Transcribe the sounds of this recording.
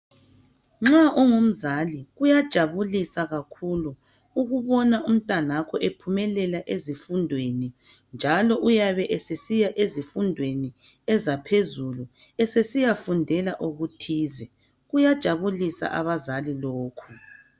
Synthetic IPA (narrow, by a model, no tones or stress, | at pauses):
ŋ͡ǁaʔɔŋum̩zaliɣujad̥ʒ̥ʱaβulisaɣakʰulu | uɣuβɔnaʔum̩tʼanakʰɔʔepʰumɛlɛlaʔezifundʱweni | nd͡ʒʱalɔʔujaβɛʔɛsesijaʔezifundʱweni | ɛzapʰezulu | ɛsesijafundʱɛlaʔuɣutʰiːzɛ | ɣujad̥ʒ̥ʱaβulisa̰ʔa̰βazaliloːkʰu